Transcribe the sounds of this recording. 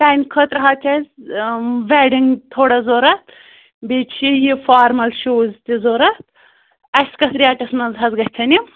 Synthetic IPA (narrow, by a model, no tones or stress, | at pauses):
t̪aːnʲkʰɐt̪ɾɐɦaːt̪ʰʲɐzʲ | ʋeːɖiŋɡt̪ʰoːɽɐzoːɾɐt̪ | beːt͡ʃʰijifaːɾmɐlʃoːzt̪ʲizoːɾɐt̪̚ | ɐsʲkɐsɾʲiɐːʈɐsmɐzɦɐzɡɐt͡sʰɐnim